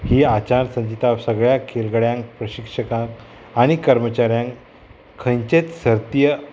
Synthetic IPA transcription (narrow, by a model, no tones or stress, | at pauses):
hiːat͡ɕansə̃ɲd͡ʑit̪aʋsəɡɭjakʰelɡəɭjãŋk̚pɾəɕikʂəkãk | aɽ̃ikəɾmət͡ɕaɾjãŋk | kʰːə̃jɲt͡ɕet̪səɾt̪ijə